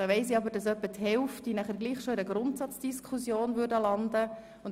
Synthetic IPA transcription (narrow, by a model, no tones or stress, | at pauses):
ɑʋɛɪsiɑbəɾdɑsœpːəthɛlftinæχəɾɡliːχʃoɪɾəɡɾʊntsɑt͡sd̥iskʰusjoːnvʏɾdəlɑndə | ʊn